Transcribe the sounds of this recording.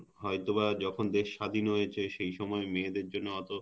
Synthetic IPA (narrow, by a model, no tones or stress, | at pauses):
ɦɔjt̪oβad͡ʑɔkʰond̪eʃːad̪ʱinɦojet͡ɕʰeʃejʃɔmɔemeːd̪eɾd͡ʑonːoɔt̪o